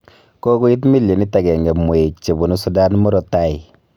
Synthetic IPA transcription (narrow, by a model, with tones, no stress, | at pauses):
ko˦ku˦i˦t̬mi˦lje˨ni˦ta˨ɡɛ˨ŋɡɛ˨mu˨e˨t͡ʃe˨bu˨nu˦su˦da˦nmɔ˦ɾɔ˨ta˦i˨